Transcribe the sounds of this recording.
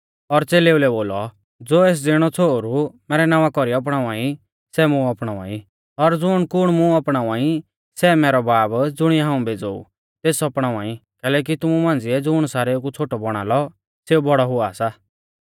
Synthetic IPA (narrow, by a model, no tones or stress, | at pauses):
ɔɾt͡seːleulɛboːlɔ | d͡zoːeːs̬d͡zeɽ̃ɔt͡sʰoɾumɛːɾɛnaːʋãkɔɾiɔp̬ɽ̃aːaːi | sɛmũɔpɽ̃ãːa̰ːi | ɔɾd͡zʊːɽ̃kʊɽ̃mũɔpɽ̃aːũaːi | sɛmɛːɾɔbaːbd͡zʊɽ̃iɛɦãːũbʱeːd͡zoːṵ | t̪eːsɔpɽ̃ãːãːikɛːlɛːk̬it̪ʊmumãːn̆d͡zɪɛd͡zʊɽ̃saːɾekut͡sʰoːʈɔbɔɽ̃a̰ːlɔ | seubʱɔɽɔɦʊaːsa